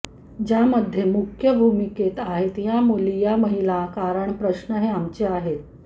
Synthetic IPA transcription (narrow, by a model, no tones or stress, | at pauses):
d͡ʑaməd̪ʱːjemukʰjəbʱumiket̪aɦet̪jamolijaməɦilakaɾəɳpɾəɕnəɦeamt͡ɕeaɦet̪̚